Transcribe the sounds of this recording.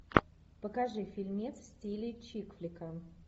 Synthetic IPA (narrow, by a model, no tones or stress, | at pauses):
pəkaʐɨfʲilʲmʲesʲtʲilʲɪt͡ɕikfʲlʲɪkam